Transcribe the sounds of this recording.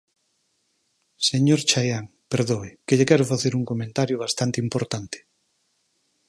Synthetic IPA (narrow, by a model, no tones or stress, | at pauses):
seɲoɾt͡ʃajaŋ | peɾðoɪkeʎekɛɾʊfaθeɾuŋkomẽnt̪aɾjʊβ̞ast̪ant̪eimpoɾt̪ant̪ɪ̥